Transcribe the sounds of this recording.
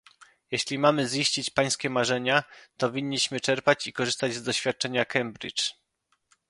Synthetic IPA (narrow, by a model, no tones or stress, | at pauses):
jeɕlʲimamɘzjiɕt͡ɕit͡ɕpaj̃skʲɛmaʐɛɲat̪ɔvʲiɲːiɕmɘt͡ʂɛɾpat͡ɕikɔʐɘst̪ad͡ʑzd̪ɔɕfʲjat̪̚t͡ʂɛɲakɛmbɾḭt͡ʂ